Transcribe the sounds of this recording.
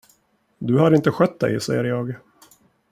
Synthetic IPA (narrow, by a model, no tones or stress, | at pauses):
d̪ɵhad̪əɪnt̪əɧœt̪̚d̪ɛ̰jsɛ̰jəɾjɑːɡ